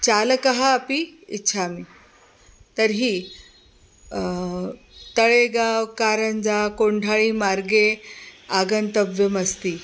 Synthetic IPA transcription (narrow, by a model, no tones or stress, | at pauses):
t͡ɕaləkəɦaːpiitːɕʰaːmi | t̪əɾɦiː | t̪əɭeɡawkaɾənd͡zakoɳɖʱaɭiːmaɾɡeaɡənt̪əbʋjəməst̪iː